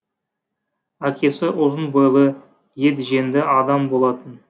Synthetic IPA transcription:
ækʲe̞sɪʔʊzənbəjlˠə | je̞d̪ʒe̞nd̪ɪʔɑd̪ɑmbo̞lˠɑt̪ən

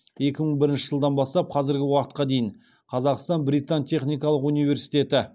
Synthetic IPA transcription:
je̞kʲɪməɴbɪɾɪnʃɪʒəlˠd̪ɑnbɑst̪ɑp̚qʰɑzɪɾɡʲɪwɑqət̪̚qɑd̪e̞jɪɴ | qʰɑzɑqst̪ɑnbɾijt̪ɑnt̪ʲʰe̞χnijkɑlˠəqunijvʲe̞ɾsijt̪e̞t̪ɪ

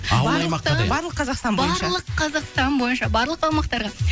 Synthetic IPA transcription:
t̪bɑɾlˠəqʰːɑzɑqst̪ɑnbbɑnʃɑlˠəqʰːɑzɑqst̪ɑnbo̞jənʃɑbɑɾlˠəq̚t̪ʰɑwmɑqt̪ɑɾʁɑ

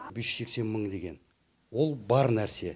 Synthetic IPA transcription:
beʃse̞kse̞nməɴd̪e̞ɡʲe̞n | wo̞lˠbɑɾnæɾse̞

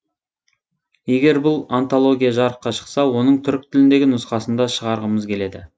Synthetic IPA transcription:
je̞ɡʲe̞ɾbʊlˠant̪o̞lˠo̞ɡʲijaʒɑɾəqːɑʃə̥qsɑwo̞nəɴt̪ʰʏɾk̚t̪ʰɪlɪnd̪e̞ɡʲɪnʊsqɑsənd̪ɑʃəʁɑɾʁəməzkʲʰe̞le̞d̪ɪ

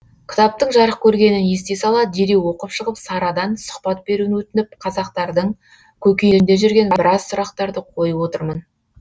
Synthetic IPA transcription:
kʲɪ̥t̪ɑp̚t̪əɴʒɑɾəqkʲʰɵɾɡʲe̞nɪnje̞st̪e̞sɑlˠɑd̪d̪eɾewo̞qəpʃəʁəpsɑɾɑd̪ɑnsʊ̥χpɑt̪̚be̞ɾuwɪnwɵt̪ɪnɪp̚qʰɑzɑq̚t̪ɑɾd̪əɴ | kʲʰɵkʲejɾɪnd̪e̞ʒʏɾɡʲe̞nbɪɾɑsːʊɾɑqt̪ɑɾd̪əqʰo̞jəpwo̞t̪əɾmən

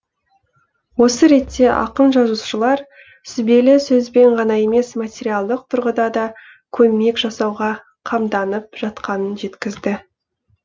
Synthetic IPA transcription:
wo̞səɾe̞t̪ːe̞ʔɑ̰qənʒɑzuʃəlˠɑɾ | sɪbe̞lɪsɵzbe̞ɴʁɑnɑe̞me̞smat̪ʲeɾijalˠd̪əq̚t̪ʰʊɾʁəd̪ɑd̪ɑ | kʲʰɵme̞kʒ̥ɑsɑwʁɑ | qʰɑmd̪ɑnəp̚ʒ̥ɑt̪qɑnənʒe̞t̪kʲɪzd̪ɪ

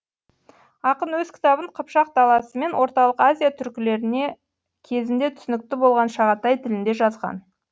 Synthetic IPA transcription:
ɑqənwɵzkʲʰɪ̥t̪ɑbəɴqʰəpʃɑq̚d̪ɑlˠɑsəme̞nwo̞ɾt̪ɑlˠəqazʲijat̪ʰʏɾkʲɪle̞ɾɪne̞ | kʲʰe̞zɪnd̪e̞t̪ʰʏ̥sɪnɪk̚t̪ɪbo̞lˠʁɑnʃɑʁɑt̪ɑjt̪ʰɪlɪnd̪e̞ʒɑzʁɑ̰n

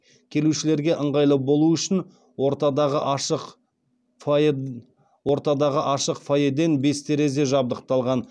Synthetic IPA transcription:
kʲʰe̞luʃɪle̞ɾɡʲe̞ʔəɴʁɑjlˠəbo̞lˠuʏʃɪn | woɾt̪ɑd̪ɑʁəʔɑʃəq | wo̞ɾt̪ɑd̪ɑʁəʔɑʃəqfojed̪e̞nbe̞st̪ʰe̞ɾe̞ze̞ʒɑb̚d̪əq̚t̪ɑlˠʁɑn

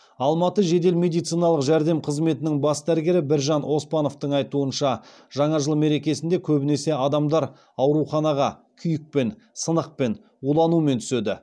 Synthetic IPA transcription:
ɑlˠmɑt̪əʒe̞d̪e̞lme̞d̪ijt̪sijnɑlˠəqʒæɾd̪e̞mqʰəzme̞t̪ɪnɪŋbɑsd̪æɾɡʲe̞ɾɪbɪɾʒɑnʔo̞spɑno̞ft̪əɴɑjt̪uənʃɑ | ʒ̥ɑɴɑʒəlˠme̞ɾe̞kʲe̞sɪnd̪e̞kʲʰɵbɪne̞se̞ɑd̪ɑmd̪ɑɾ | ɑwɾuχɑnɑʁɑkʲʰʏjɪk̚pe̞n | sənəq̚pe̞n | wulˠɑnument̪ʰʏ̥sed̪ɪ

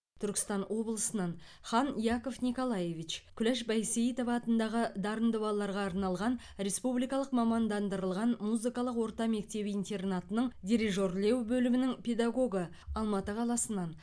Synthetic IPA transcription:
t̪ʰʏɾkʲɪ̥st̪ɑnwo̞blˠəsənɑnχɑnijako̞fnʲiko̞lˠɑje̞vit͡ʃkʰʲʏlæʃbɑjseit̪o̞vɑt̪ənd̪ɑʁəd̪ɑɾənd̪əbɑlˠːɑɾʁɑːɾnɑlˠʁɑn | ɾe̞spublijkɑlˠəqmɑmɑnd̪ɑnd̪əɾəlˠʁɑnmuzɨkɑlˠəqwo̞ɾt̪ɑme̞k̚t̪e̞bɪint̪e̞rnat̪ənəɴd̪ʲiɾiʒo̞rle̞wbɵlɪmɪnɪŋpʲʰe̞d̪aɡo̞ɡə | ɑlˠmɑt̪əqʰɑlˠɑsənɑn

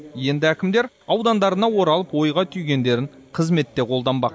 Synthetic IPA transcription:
je̞nd̪ɪækʲɪmd̪e̞ɾ | ɑwd̪ɑnd̪ɑɾənɑwo̞ɾɑlˠəpwo̞jʁɑt̪ʰʏjɡʲe̞nd̪e̞ɾɪɴqʰəzme̞t̪ːe̞qʰo̞lˠd̪ɑnbɑq

